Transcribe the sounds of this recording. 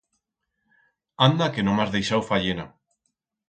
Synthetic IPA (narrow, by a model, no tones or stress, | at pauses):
and̪akenõmazðejʃawfaʎena